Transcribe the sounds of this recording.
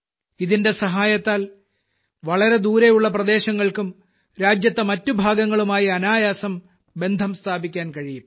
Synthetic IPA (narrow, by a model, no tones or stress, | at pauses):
iðinde̞sɐɦaːjɐt̪ːaːl | ʋɐɭɐɾe̞d̪uːɾejuɭːɐprɐd̪e̞ːɕɐŋːɐɭkum | ɾaːd͡ʑjɐt̪ːɐmɐtːubʱaːɡɐŋːɐɭumaːjiɐnaːjaːsɐm | be̞nd̪ʱɐmst̪ʰaːbikʲːaːnkɐɻijum